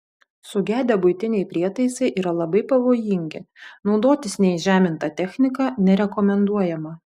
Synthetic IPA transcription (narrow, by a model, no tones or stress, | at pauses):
sʊɡʲæːd̪ʲɛbʊɪt̪ʲɪnʲɛɪpʲɾʲiɛt̪ɐɪsɐɪʔiːɾɐlˠɐbɐɪpɐʋoːjɪŋʲɡʲɪ̰ | nɒʊd̪oːt̪ʲɪsnʲɛɪʒʲæːmʲɪnt̪ɑːt̪ʲɛxʲnʲɪkɑːnʲɛɾʲɛkɔmʲɛnd̪uɔjɛmɐ